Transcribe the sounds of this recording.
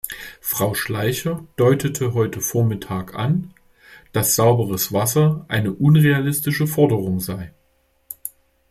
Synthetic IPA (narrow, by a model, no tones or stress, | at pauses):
fʁ̥aʊʃlaɪçɐd̥ɔʏtʰətʰəɦɔʏtʰəfoːɐmɪtʰaːkʔa̰n | d̥asz̥aʊbəʁ̞əsv̥asɐʔaɪnəʔʊnʁealɪstɪʃəfɔɐdəʁ̞ʊŋzaɪ